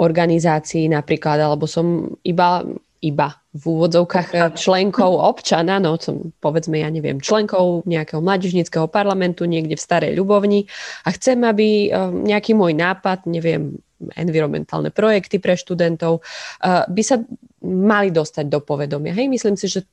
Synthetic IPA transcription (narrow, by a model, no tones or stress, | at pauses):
ɔɾɡanizaːt͡siːnapɾiːklad̪alɛbɔsɔmiba | iba | vuːʋɔd͡zɔʊkaxt͡ʃlɛŋkʰɔʊɔpt͡ʃananɔsɔ̰mpɔʋɛd͡zmɛjaɲɛʋɪɛ̰mt͡ʃlɛŋkɔʊɲɛakɛɦɔmlaːɟiʒɲit͡skɛɦɔpaɾlamɛnt̪uɲɪɛɡɟɛfst̪aɾɛ̰jʎubɔʊɲiaxt͡sɛmabiɲɛakiːmʊɔjnaːpad̪ɲɛʋɪɛ̰m | ɛ̰nʋiɾɔmɛ̰nt̪a̰ːlnʔɛ̰pɾɔjɛkt̪ipɾɛʃt̪ud̪ɛnt̪ɔʊ | bisa | malid̪ɔst̪aɟ̚d̪ɔpɔʋɛd̪ɔmɪaɦɛjmisliːmsiʒɛ